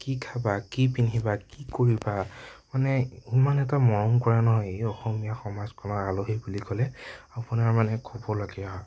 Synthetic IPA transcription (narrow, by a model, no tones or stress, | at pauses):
kikʰabakipinɦibakikoɹibamanɛimanɛtamɔɹɔmkɔɹanɔɦɔjejɔxɔmijaxɔmazkʰɔnɔaloɦibulikɔlɛapunaɹmanɛkʰɔbɔlaɡɛaɦɔ